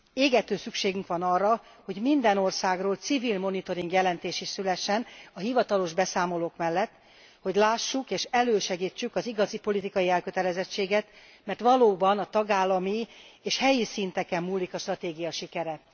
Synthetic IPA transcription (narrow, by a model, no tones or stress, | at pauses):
eːɡɛt̪øːsykʃeːɡyŋkʋɒnɒrːɒ | ho̞ɟmind̪ɛno̞rsaːɡroːlt̪sivilmo̞nit̪o̞ɾiŋɡjɛlɛnt̪eːʃiʃsylɛʃːɛnɒɦivɒt̪ɒlo̞ʒbɛsaːmo̞loːkmɛlːɛt̪ː | ho̞ɟlaːʃːukeːʃɛløːʃɛɡiːt͡ʃːykɒziɡɒzipo̞lit̪ikɒjiɛlkø̞t̪ɛlɛzɛt͡ʃːeːɡɛt̪ | mɛrt̪ʋɒloːbɒnɒt̪ɒɡaːlːɒmieːʃhɛjisint̪ɛkɛmːuːlːikɒʃt̪rɒt̪eːɡijɒʃikɛɾɛ